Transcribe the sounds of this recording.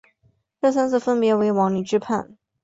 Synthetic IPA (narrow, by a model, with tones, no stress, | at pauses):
ʈ͡ʂɤ˥˩s̬a˥nt͡sɹ̩˥˩fə˥npjɛ˧˥we˧˥ɪwɑ˧˥ŋny˨˩ʈ͡ʂɻ̩˥pʰa̰˥˩n